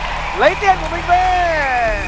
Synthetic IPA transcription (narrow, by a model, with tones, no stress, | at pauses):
lə˨˧˦jt̪i˧˩ənku˧˩əmï˧˩ŋ̟ɓe˧˩